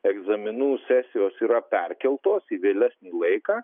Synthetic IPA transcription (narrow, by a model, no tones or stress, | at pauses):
ɛɡzɐmʲɪnuːsʲæːsʲɪjoːsiːɾɐpʲɛrʲkʲɛlˠt̪oːsiʋʲeːlʲæsʲnʲiːlˠɐɪkɑː